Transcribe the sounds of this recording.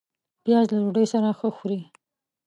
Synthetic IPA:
pjɑzlaloɖəjsaɾaxəxuɾi

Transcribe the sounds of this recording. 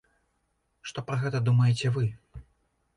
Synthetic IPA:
ʂt̪ɔpɾɐɣɛt̪ɐd̪umɐjɛt͡sʲɛvɨ

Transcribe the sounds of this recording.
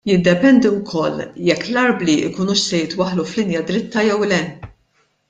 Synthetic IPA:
jɪd̪ːɛpɛnd̪iwkʰɔlːjɛkːlɐɾbliʔɪkuːnuːʃsɛjɪt̪wɐħluflɪnjɐd̪ɾɪt̪ːɐjɛwlɛ

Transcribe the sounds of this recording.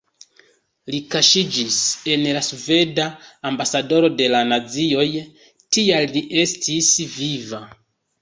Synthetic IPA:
likaʃid͡ʒise̞nlasve̞daːmbasado̞ɾo̞de̞lanad͡zio̞j | tialːiʔe̞stʰisviva

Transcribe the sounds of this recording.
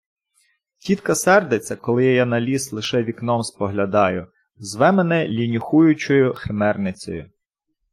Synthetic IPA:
tʲit̪kɐsɛrd̪et͡sʲːɐkɔlˠɪjjanɐlʲislˠɪʃɛʋʲiknɔmspɔɦlʲɐd̪ɑjʊ | zʋɛmenɛlʲinʲʊxujʊt͡ʃʊjʊxemɛrnɪt͡sʲɔ̰jʊ

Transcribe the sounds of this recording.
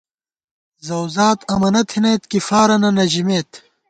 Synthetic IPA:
zɐwzaːt̪ɐmɐnɐt̪ʰinejt̪kifaːɾɐnɐnɐʑimeːt̪

